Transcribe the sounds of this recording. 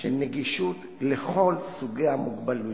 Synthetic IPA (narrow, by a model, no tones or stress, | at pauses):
ʃeneɡiʃut | leχo̞lsuɡejamuɡbalu